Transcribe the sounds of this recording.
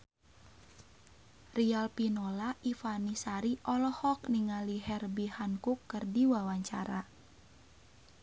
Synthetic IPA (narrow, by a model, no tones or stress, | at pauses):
rialpinolaʔifanisaɾiʔɔlɔhɔk̚niŋaliɦɛrbihankukːɨrdiwawaɲt͡ʃa̰ɾa